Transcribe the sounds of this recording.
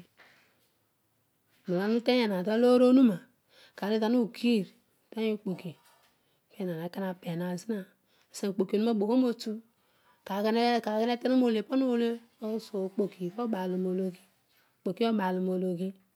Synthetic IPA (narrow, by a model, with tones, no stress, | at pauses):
nu˨la˦nu˦te˦e˨na˨da˦lo˦ɾo˦nu˦ma˨ | ka˨ɾi˦za˦nu˦˨kʰi˦˨ɾ | te˦o˦˨k͡po˨ki˨ | ke˦˨na˨na˨˦ka˦na˨pe˨na˨zi˦na˨ | sa˨k͡po˨ki˨o˨nu˦m˦o˦bo˨ko˦mo˨tu˦ | ka˨ɡn˦ka˨˦ɡa˦n˦e˦te˦ɾu˦mo˨le˨po˦nu˦o˨le˦ | o˦so˨k͡po˨ki˨ko˦ba˨lu˨mo˨lo˨ɡi˦˨ | k͡po˨ki˦o˦ba˨lu˨mo˨lo˨ɡi˦